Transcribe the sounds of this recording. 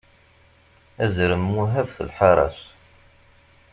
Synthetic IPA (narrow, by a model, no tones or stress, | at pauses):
æzɾəmːuɦævθə̰lħɑɾˤɑ̰s